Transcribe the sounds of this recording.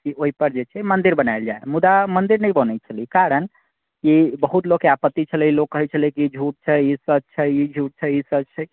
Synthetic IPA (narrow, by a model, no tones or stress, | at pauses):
kioɦipəɾd͡ʒet͡ʃʰɛmənd̪iɾbənaeld͡ʒa̰ḛmud̪amənd̪iɾnəjbənɛt͡ʃʰəlikaɾən | kibəɦut̪lokːeapət̪ːit͡ʃʰəlɛilokːəɦɛt͡ʃʰəlikid͡ʒʱuʈ̚t͡ʃʰɛisəd͡ʒt͡ʃʰɛid͡ʒʱuʈ̚t͡ʃʰɛisəd͡ʒt͡ʃʰɛ